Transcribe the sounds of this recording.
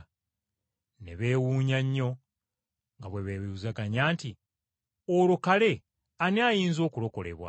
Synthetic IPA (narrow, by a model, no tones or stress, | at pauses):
nḛβe̞ːwuːɲaɲːo̞ | ŋɡaβweβeβiuzaɡaɲaːnti | olukale̞ | aniajiːnzo̞ːkulo̞ko̞le̞̰βwa̰